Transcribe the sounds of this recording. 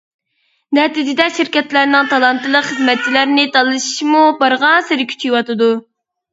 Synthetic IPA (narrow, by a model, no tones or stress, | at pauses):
nɛt̪ɨd͡ʒɪd̪ɛʃiɾkʲɛt̪læɾnɪŋt̪ʰɑlˠɑnt̪ʰɨlˠəqχəzmɛt̪̚t͡ʃʰilæɾnɪt̪ʰɑlˠɨʃi̥ʃmubɑɾʁɑnsɨɾɪkʲʰy̥t͡ʃʰijwɑt̪ɨd̪u